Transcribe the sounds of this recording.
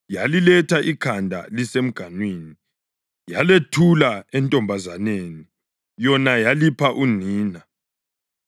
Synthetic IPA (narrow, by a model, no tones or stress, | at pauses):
jalilɛtʰaʔikʰandʱa̰lisem̩ɡ̥ʱanweːni | jaletʰulaɛntʼɔmbʱazaneːni | jɔnajalipʰaʔuniːna